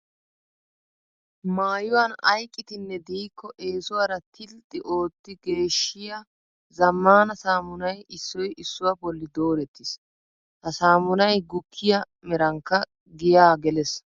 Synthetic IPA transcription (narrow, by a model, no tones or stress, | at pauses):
maːjʊwaːnɐjkʼːɪt̪ɪnːɛd̪iːkʰːɔʔe̞ːsʊwaɾɐt̪ʰɪlt̪ʼːɪʔo̞ːt̪ːɪɡe̞ːʃːɪjɐ | zɐmːaːnɐsaːmʊnɐjɪsːɔjʔɪsːʊwɐbɔlːɪd̪o̞ːɾɛt̪ːɪs | hɐsaːmʊnɐjɡʊkʰːɪjɐ | mɛɾɐŋkːɐ | ɡɪjaːɡɛlɛs